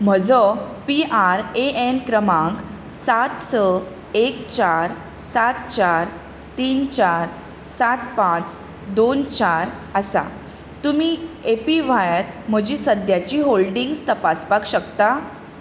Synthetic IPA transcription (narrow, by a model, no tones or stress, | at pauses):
m̤əd͡zɔ | piʔaɾeenkɾəmãŋk | sat̪sə | ekt͡ɕaɾ | sat̪t͡ɕaɾ | t̪iːnt͡ɕaɾ | sat̪pãt͡s | d̪ont͡ɕaɾ | əsa̰ | t̪umiːepiʋajət̪m̤əd͡ʑiːsəd̪jat͡ɕiːɦolɖiŋɡst̪əpaspakɕəkt̪a